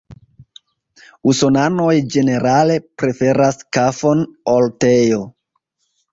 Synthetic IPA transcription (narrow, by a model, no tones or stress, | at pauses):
usonano̞jd͡ʒe̞ne̞ɾʔale̞pɾe̞fe̞ɾaskafo̞noltejo